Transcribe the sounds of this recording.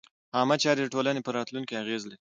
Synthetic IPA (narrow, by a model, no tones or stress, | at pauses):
hɑmat͡ʃɑɾed̪əʈolanepəɾɑt̪lunkeaɣezle